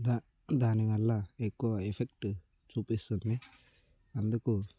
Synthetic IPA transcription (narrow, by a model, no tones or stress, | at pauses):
d̪a | d̪ʱaːniʋɐlːaekːoepʰekʈ | t͡ʃupist̪und̪e | ɐnd̪uku